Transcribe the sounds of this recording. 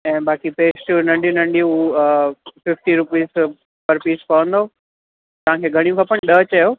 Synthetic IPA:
ɛ̃ːɓaːkipeːsʈunɐ̃ɳɖijũnɐ̃ɳɖijũ | fɪfʈiɾʊpiːz | pɐɾpiːspɐʋə̃nd̪oː | t̪ɐʋ̤ãkʰeːɡʱɐɽ̃ijũkʰɐpəɽ̃ɗəɦt͡ɕɐjoː

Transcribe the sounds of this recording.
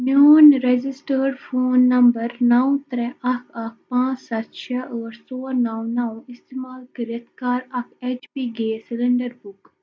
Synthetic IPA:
mjuːnɾed͡ʒɪsʈəːɾfoːnːɐmbəɾnɐw̃t̪ɾɛ̃ʔɐkʰɐk̚ʰpãːsɐt̪ʃʰaʔɔːɾsoːɾnawnaw̃ɪst̪eːmaːlkɪɾət̪ʰkaːɾɐkʰeːt͡ʃpiːɡeːsɪlɪɳɖəɾbʊk

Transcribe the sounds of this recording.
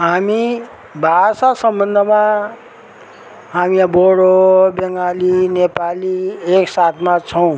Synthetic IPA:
ɦami | bʱasasʌmbʌnd̪ʱəma | ɦamiaboɽobʌŋalinepalieksat̪ʰmat͡sʰʌw̃

